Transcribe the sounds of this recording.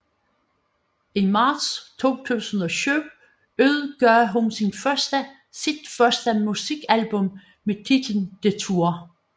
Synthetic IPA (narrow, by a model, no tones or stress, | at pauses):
imɑ̈ːd̥st͡sʰo̝̰ːt͡sʰṵːsən̩ɒ̽ɕyʊ | øð̰ˠɡ̥ɶɐɦunsinfɶsd̥ə | sid̥fɶɐsd̥əmusiɡ̥ælb̥ɔ̽m | met͡sʰid̥l̩n̩d̥e̝t͡sʰuɐ